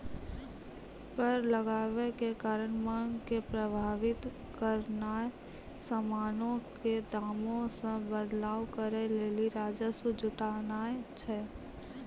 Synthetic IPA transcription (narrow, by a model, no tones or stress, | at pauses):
kəɾləɡaːʋekekaːɾənmaːŋɡkepɾəbʱaːʋɪt̪ | kəɾnaːe | səmaːnõked̪aːmõsẽbəd̪laːwkəɾeleːliɾaːd͡ʒəsud͡ʒʊʈanaːet͡ʃʰɛː